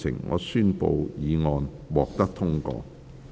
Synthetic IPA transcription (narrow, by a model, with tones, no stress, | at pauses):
ɪ̰˨˩ŋːɔ̰ː˨˧syː˥npo̰˧wjiː˨˧ŋɔː˧nwɔː˨k̚t̪ɐ˥k̚t̪ʰʊ˥ŋkɔ̰ː˧